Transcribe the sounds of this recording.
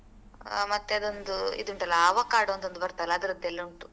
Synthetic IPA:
mɐt̪ːeɐd̪ond̪uḭd̪uɳʈɐlːaaːʋɐkaːɽoɐnt̪ond̪ubɐɾt̪ɐlːɐɐd̪ɐɾɐd̪ɛlːɐuɳʈu

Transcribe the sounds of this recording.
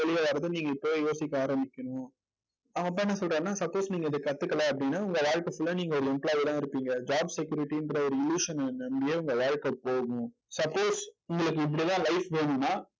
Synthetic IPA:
ɐɭɪjaʋɐɾɐðɯniːŋɡɐɪpːɐʋejoːsɪkːaːɾɐmɪkʲːɐnʊ̃ | aɐp̬ːɐnːɐsɔlrɾãːnːaːsɐpːoːsniːŋɡɐɪðɯkɐt̪ːɯkːɐlãɐpːɐɽɪnːaːʊŋɡɐʋaːɻkɐfʊlːɐniːŋɡɐɔɾɯɛmplaːjɪlãːɪɾɯpːiːŋɡɐd͡ʒaːbsɛkjuːɾɪʈːiɪndɾɔɾɯɪljuːʂɐnnɐmbijeːʊŋɡɐʋaːɻkɐpoːɣʊ̃ | sɐpːoːsʊŋɡɐɭɯkːɯɪp̬ːɐɽit̪ãːlɐɪfʋeːɳʊ̃nːaː

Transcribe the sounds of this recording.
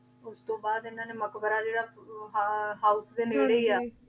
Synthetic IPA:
ʊst̪õːbaːd̪ɪnãːneːməkbəɾaːd͡ʒeːɽaː | ɦaːʊsd̪eːneːɽeːiːaː

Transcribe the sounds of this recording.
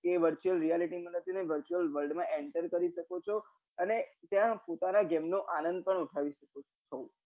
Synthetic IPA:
keʋəɾt͡ʃuəlɾijaliʈimãnət̪ʰineʋəɾt͡ʃuəlʋəlɖmãʔeɳʈəɾkəɾiʃəkot͡ʃʰo | ənet̪jãpot̪anaɡɛmnoʔanənd̪̚pəɳuʈʰaʋiʃəko | t͡ʃʰo

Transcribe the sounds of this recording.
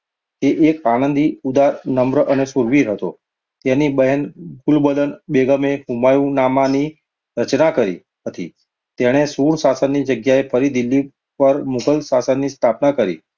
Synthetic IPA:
t̪eʔekanənd̪iud̪aɾnəmbɾəʔənesuɾʋiɾɦət̪o̰ | t̪enibəɦənbʱulbələnbeɡəmeɦumajũnamani | ɾət͡ʃnakəɾḭ | ɦət̪i | t̪eɽ̃esuɽsasənːid͡ʒəɡjaepʰəɾid̪ilːi | pəɾmukəlsasənːist̪ʰapnakəɾḭ

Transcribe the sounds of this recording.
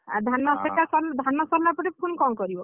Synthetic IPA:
a̰d̪ʱanːɔsekasɔnd̪ʱanːɔsɔmapɔʈipʰunkɔmkɔɾibɔ

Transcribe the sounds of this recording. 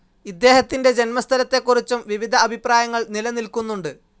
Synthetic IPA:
id̪ːe̞ːɦɐt̪ːinde̞d͡ʑe̞nmɐst̪ʰɐlɐt̪ːe̞kːurit͡ɕːumʋiʋid̪ʱɐɐbʱipraːjɐŋːɐɭnilɐnilkunːuɳɖɨ

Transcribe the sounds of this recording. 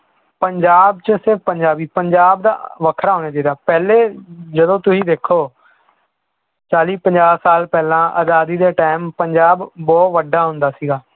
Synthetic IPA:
pəɲd͡ʒaːbt͡ʃəsɪɾfpəɲd͡ʒaːbiːpəɲd͡ʒaːbd̪a̰ːʋəkʰɾaːoːneːd͡ʒaːd̪aːpɛːleːd͡ʒəd̪õːt̪ʊsĩːd̪eːkʰːoː | t͡ʃaːliːpəɲd͡ʒaːsaːlpɛːlãːʔə̰d̪aːd̪iːd̪eːʈaːmpəɲd͡ʒaːbːɔːt̪ʋəɖaːɦʊ̃nd̪aːsiːɡaː

